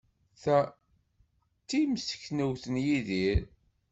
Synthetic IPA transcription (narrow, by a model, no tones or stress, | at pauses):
θæ | t͡s̪ːimsə̥çnəwθənjiðiɾ